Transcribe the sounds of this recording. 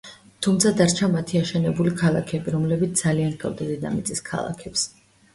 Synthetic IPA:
t̪ʰumt̪sʰad̪aɾt͡ʃʰamat̪ʰiaʃɛnɛbulikʰalˠa̰kʰɛbiɾɔmlɛbit̪sd̪aliankʰʼɔ̰vˠd̪azɛd̪a̰mit̪sʼiskʰa̰lˠa̰kʰɛps

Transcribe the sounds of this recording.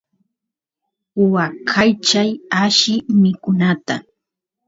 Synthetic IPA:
ʊwakʰajt͡ʃajaʃɪmɪkʊnat̪a

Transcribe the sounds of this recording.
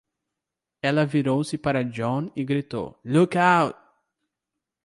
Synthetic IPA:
ɛlɐviɾowsɪpaɾɐd͡ʒõnɪɡɾit̪o̰wlukawt̪̚

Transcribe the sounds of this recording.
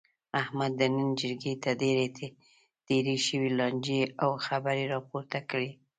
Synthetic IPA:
ahmad̪ːənənd͡ʒəɾɡet̪ad̪eɾet̪ʰe | t̪eɾiʃəwilɑnd͡ʒeawxabaɾeɾɑpoɾt̪akəɽi

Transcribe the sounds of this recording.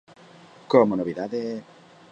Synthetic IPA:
komonoβiðaðe

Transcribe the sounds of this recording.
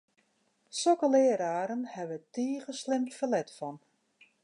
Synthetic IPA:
sokəlɪːəɾaːɾənhɛʋətiːɣəslɪmfəlɛtfɔn

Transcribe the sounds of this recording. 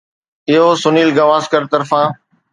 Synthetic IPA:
ɪɦoːsʊniːlɡɐʋaːzkəɾt̪ɐɾfãː

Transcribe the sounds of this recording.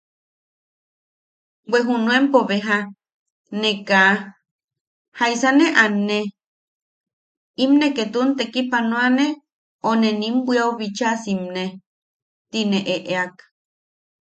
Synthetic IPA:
weɦunũempoβeɦa | neka | haisaneʔane | imneket̪unt̪ekipanõane | onenimbʷiauβit͡ʃasimne | t̪ineʔeʔeak

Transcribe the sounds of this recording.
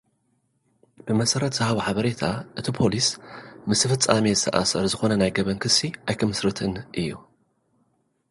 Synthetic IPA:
b̥ɨmɐsɐɾɐt̪z̥ɨhaβoħaβɐɾet̪ʰaʔɨt̪ʰipʰo̞lismɨst̪ʰɨfɨt͡sʼːamezɨt̪ʰɐ̰ʔa̰sɐɾzɨxo̞nɐnajɡɐβɐnkʰɨsːiʔajkʰɐmɨsɾɨt̪ʰɨnʔɨjːu

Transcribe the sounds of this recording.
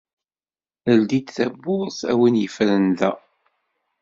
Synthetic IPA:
əld̪id̪θæbːʊsæ̰winjəfɾənðæ

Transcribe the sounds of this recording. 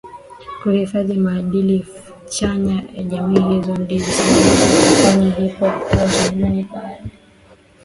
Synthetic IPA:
kuhifaðimaːɗilif | t͡ʃaɲaja̰ʄamiːɦizɔndizi | faɲaɦipɔkuazamunia

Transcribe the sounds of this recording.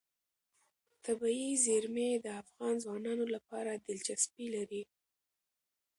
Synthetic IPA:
t̪abiizeɾmed̪əafɣɑnzwɑnɑnolapɑɾad̪ɪlt͡ʃaspilaɾi

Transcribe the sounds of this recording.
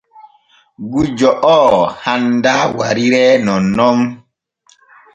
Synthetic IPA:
ɡud͡ʒɔʔɔːhandawa̰ɾiɾɛnɔnɔm

